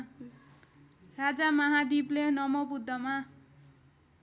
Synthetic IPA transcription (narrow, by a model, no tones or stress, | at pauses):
rad͡zamʌɦad̪iblenʌmʌbud̪ʱːʌma